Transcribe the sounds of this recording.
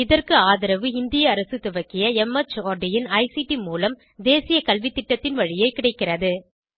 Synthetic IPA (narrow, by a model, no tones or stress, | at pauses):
ɪðɐrkɯaːðɪɾɐʋɯɪnd̪ɪjɐːɾɐsɯt̪ʊʋɐkːɪjɐɛmɐt͡ʃoːɾɖɪjɪnɐɪsiʈimuːlɐm | d̪eːsɪjɐkɐlʋit̪ːɪʈːɐt̪ːɪnʋɐɻɪjɐɪkɪɽɐɪkːɪrɐðɯ